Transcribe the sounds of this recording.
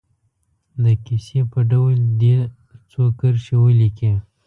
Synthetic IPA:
d̪əkisepəɖawəld̪e | t͡sokəɾʃewəliki

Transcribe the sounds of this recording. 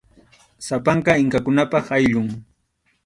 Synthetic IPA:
sapaɴkɑɪŋkakʊnapɑχajʎʊŋ

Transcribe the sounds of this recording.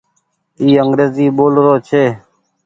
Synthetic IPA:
iːəŋɡɾeːziːɓoːlɾoːt͡ʃʰeː

